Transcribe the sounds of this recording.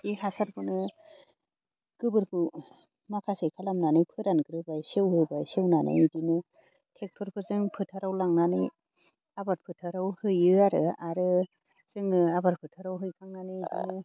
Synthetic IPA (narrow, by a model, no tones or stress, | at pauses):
dihasaɾbʰɯnɯ | ɡ̥ɯbɯɾpʰɯ | makʰasejkʰalamnanɯjpʰɯɾanɡɯɾɯbajsewhɯbajsewnanɯ̰jidinɯ | tʰek̚tʰɔɾpʰɯzɯŋpʰɯtʰaɾawlaŋnanɯj | abaɾpʰɯtʰaɾawhɯjɯaɾɯaɾɯ | z̥ɯŋnɯabaɾpʰɯtʰaɾawɦɯjkʰaŋnanɯjdḭ